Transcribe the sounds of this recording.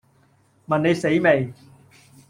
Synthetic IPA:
mɐ˨nːe˨jse˨jme˨j

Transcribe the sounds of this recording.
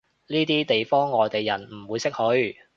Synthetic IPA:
niː˥t̪iː˥t̪e˨jfɔː˥ŋːɔː˨jt̪e˨jːɐ˨˩nm̩˨˩wuː˨˧jsɪ˥k̚hɵ˨˥ɥ

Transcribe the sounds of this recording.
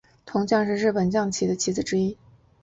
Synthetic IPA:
t̪ʰʊ˧˥ŋt͡ɕjɑ˥˧ŋʂɻ̩˧˥ɻɻ̩˥˩pə˨˩nt͡ɕjɑ˥˩ŋt͡ɕʰi˧˥d̪ə˧t͡ɕʰi˧˥d͡zɹ̩˨˩ʈ͡ʂɻ̩˥i˥

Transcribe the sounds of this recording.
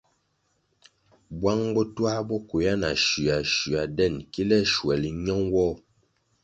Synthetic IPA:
bwa˦ŋbɔ˦twa˦bɔ˦ku˨ja˦na̰˨ʃʉ˨a˨ʃʉ˨a˨dɛ˦˨nki˦lɛ˦ʃwɛ˨li˨ɲɔ˦ŋwɔ˦˨

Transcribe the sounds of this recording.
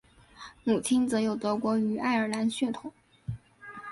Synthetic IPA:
mu˨˩t͡ɕʰi˥nt͡sɤ˧˥jo˨˩ʊt̪ɤ˧˥kwɔ˧˥y˧˥ʔa˥˩ɪə˞˨˩la˧˥nɕɥɛ˥˩t̪ʰʊ˨˩˦ŋ

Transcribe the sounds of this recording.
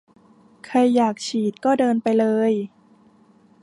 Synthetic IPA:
kʰa˧jːaː˨˩k̚t͡ɕʰiː˨˩t̪̚kɔː˥˩dɤː˧npa˧jlɤː˧j

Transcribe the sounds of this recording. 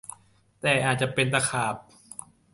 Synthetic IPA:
t̪ɛː˨˩ʔaː˨˩t̪̚t͡ɕa˨˩pe˧nt̪a˧˩kʰaː˨˩p̚

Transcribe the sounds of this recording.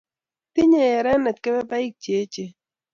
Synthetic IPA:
tɪ˦ɲe˨ɛ˨ɾɛ˦nɛ˨t̚ke˦bɛ˦ba˦i˦k̚t͡ʃe˨˦t͡ʃe˦˨

